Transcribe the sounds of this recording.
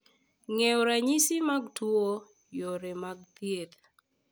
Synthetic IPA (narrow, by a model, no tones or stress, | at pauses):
ŋeoɾaɲisɪmaɡtuo | joɾemaɡ̚t̪jet̪